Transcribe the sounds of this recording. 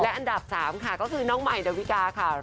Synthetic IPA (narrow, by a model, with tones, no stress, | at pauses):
lɛ˦˥ʔa˧nda˨˩p̚saː˩˦mkʰa˥˩kɔː˥˩kʰɯː˧nɔː˦˥ŋma˨˩jda˧wi˦˥kaː˧kʰa˥˩